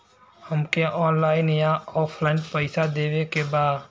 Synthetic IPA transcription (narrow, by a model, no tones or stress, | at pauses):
həmkeʔɔːnlaːɪnɪjaɔːpʰlaːnɖpəɪsad̪eːwekebaːd̪